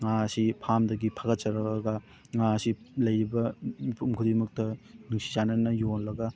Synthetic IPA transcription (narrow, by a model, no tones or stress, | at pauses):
ŋasipʰamdɐɡipʰaɡɐt̚t͡ʃɐɾɐɡɐ | ŋasi | lɐjɾibɐmipʰumkʰudimɐk̚tɐnuŋsi̥zanɐnɐjonlɐɡɐ